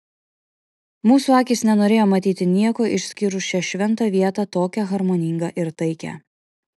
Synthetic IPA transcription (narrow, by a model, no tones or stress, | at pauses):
muːsuːɑːkʲisnʲɛnoːɾʲeːjoːmɐt̪ʲiːt̪ʲɪnʲiɛkoːʔɪʃʲsʲkʲɪɾʊʃʲɛʃʲʋʲɛnˑt̪ɑʋʲiɛt̪ɑt̪oːkʲɛɣɐɾmoːnʲɪːŋɡɐʔɪɾt̪ɐɪkʲɛ̰